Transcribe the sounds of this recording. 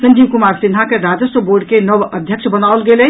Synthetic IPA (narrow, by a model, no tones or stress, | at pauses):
sənd͡ʒiːmkumaːɾsinɦakeɾad͡ʒəsəboːɾɖkenəʋəd̪ʱjəkʃʰbənawlɡele